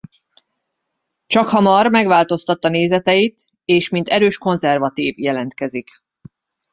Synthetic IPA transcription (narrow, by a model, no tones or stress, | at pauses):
t͡ʃɒkhɒmɒrmɛɡʋaːlt̪o̞st̪ɒt̪ːɒneːzɛt̪ɛjit̪ | eːʃmint̪ɛɾøːʃko̞nzɛrvɒt̪iːvjɛlɛnt̪kɛzik